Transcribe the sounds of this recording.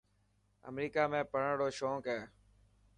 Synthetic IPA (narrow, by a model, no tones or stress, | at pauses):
ə̰mɾiːkaːmẽːpəɳɽoːʃoːkɛː